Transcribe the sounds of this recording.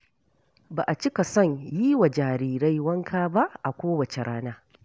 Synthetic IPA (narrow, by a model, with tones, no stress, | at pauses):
baː˨ʔa˨t͡ʃɪ˦ka˨sɔ˦˨ɲjiː˦wa˨d͡ʒaː˨ɾiː˨ɾa˦jwɐ˦ŋkʰaː˦ba˦ʔʔa˨kʷoː˦wɐ˨t͡ʃe˨ɽaː˦naː˦